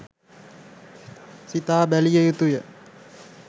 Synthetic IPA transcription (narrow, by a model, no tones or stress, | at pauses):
sit̪aːbælijəjut̪ujə